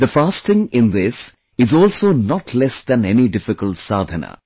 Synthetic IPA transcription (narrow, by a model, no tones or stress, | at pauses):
d̪əfaːstɪ̃ŋɪ̃nd̪ɪs | ɪzɔːlsoːnɔʈʰlɛsd̪æ̃nɛniɖɪfɪkəltsaːd̪ʱənə̰